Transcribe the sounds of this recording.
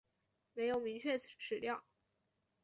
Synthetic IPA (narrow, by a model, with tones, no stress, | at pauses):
me˧˥ɪjo˨˩ʊmi˧˥ŋt͡ɕʰɥɛ˥˩ʈ͡ʂʰɻ̩˨˩ljɑ˥˩ʊ